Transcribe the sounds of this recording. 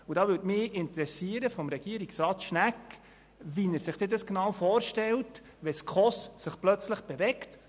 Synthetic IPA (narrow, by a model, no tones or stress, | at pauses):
ud̥ɑːʋʏtmɪɪntɾɛsiəɾəfɔmɾɛɡ̥iːəɾiksɾɑːt̪ʃnækː | ʋinæɾsɪχd̥eːd̪ɑsknɑwfɔːɾʃtɛlt | ʋɛskχɔsːɪχplœt͡sləχb̥ɛvɛkt